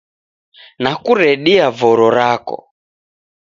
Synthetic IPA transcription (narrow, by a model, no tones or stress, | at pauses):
nakuɾɛɗiavɔɾɔɾakɔ̰